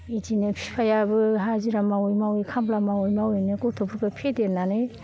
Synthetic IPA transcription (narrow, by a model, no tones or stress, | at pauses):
id͡ʒinɯpʰi̥pʰajabɯɦaziɾamawojmawjkʰamblamawɔjmawɔjnɯɡotʰobuɾɡapʰedenːane